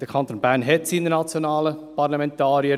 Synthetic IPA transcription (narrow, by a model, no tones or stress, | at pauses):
d̥əkʰɑnt̪oːnbæɾnɦɛtsiːnənat͡sjonɑːləpɑɾlɑmɛnt̪ɑːɾiə